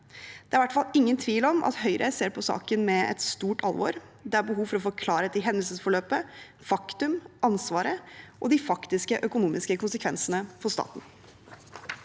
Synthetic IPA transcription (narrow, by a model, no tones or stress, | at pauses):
d̪̥ɛæɾʋæʈːfɑlːɪŋːənt̪ʰʋiːlɔmʔɑ̰t̪hœʏɾʔə̰seːɾpʰɔsɑ̰ːkənmɛɛ̰t̪st̪uːʈʰɑ̰lˠʋɔ̰ɾ | d̪ɛæɾbəɦuːʋfɔɾɔfɔɾkʰlɑːɾəd̪ɪɦɛnd̪əlsəsfɔɭøːpə | fɑkt̪ʉmɑnsʋɑːɾəʔɔd̪ɪfɑkt̪ɪskəʔœkʊnuːmɪskəkʰʊnsəkʰʋɛnsənəfʰɔst̪ɑ̰ːt̪n̩